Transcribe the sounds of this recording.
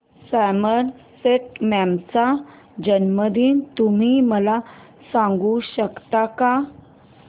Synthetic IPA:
sæməɾ | seʈ̚mɛmt͡sa | d͡ʑənməd̪iːnt̪um̤iməla | sãŋɡuɕəkt̪aka

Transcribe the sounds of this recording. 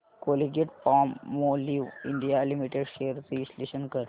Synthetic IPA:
koliɡeʈpɔmːoliʋiɳɖijalimiʈeɖʃeəɾt͡seisleɕənkəɾ

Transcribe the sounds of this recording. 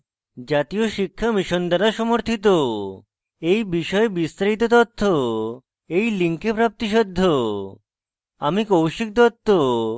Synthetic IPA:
d͡ʑat̪ijoʃikʰːamiʃond̪aɾaʃɔmoɾt̪ʰit̪o | ejbiʃɔebist̪ɾaɾit̪̬ot̪ɔt̪ʰːo | ejliŋkepɾap̚t̪iʃ̬ɔd̪ʱːo | a̰mikowʃik̚d̪ot̪ʰːo

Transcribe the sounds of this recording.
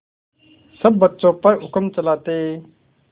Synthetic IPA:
səbːətːʃõːpəɾɦʊkəmt͡ʃəlaːt̪eː

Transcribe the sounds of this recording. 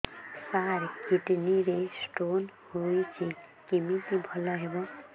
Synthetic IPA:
saɾkiʈniɾesʈon | hojt͡sʰĩ | kimit̪ibʱʌlʌɦebo

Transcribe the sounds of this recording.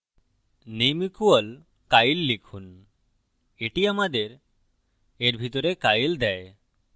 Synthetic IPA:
nemikuɔl | kajlːikʰun | eʈiamad̪eɾ | eɾbʱit̪ɔɾekajld̪ɛe

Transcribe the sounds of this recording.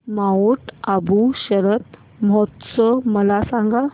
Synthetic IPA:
mauʈabũɕəɾət̪ | m̤ɔt̪səməlasãŋɡa

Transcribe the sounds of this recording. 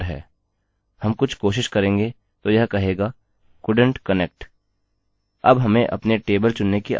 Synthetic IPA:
ɾɦɛ̰ː | hɐmkʊt͡ʃʰkoːʃɪʃkɐɾẽːŋɡe | t̪ojɐɦkɐɦeːɡaː | kʊɖə̃ɳʈkɐnek̚ʈ | ɐbɦɐmẽʔɐ̰pneʈeːbəlt͡ʃʊnːekiʔ

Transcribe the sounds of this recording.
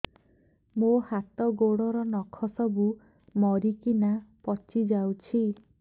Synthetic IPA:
mohat̪ɔɡoɽɔɾɔnɔkʰɔsɔbu | mɔɾikinapɔt͡ʃid͡ʒawt͡ʃʰi

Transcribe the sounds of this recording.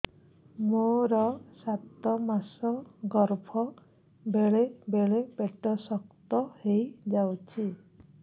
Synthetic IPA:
moɾɔsat̪ɔmasɔɡɔɾbʰʱɔ | beɭebeɭebeʈɔsɔk̚t̪ɔhejd͡ʒawt͡ʃʰi

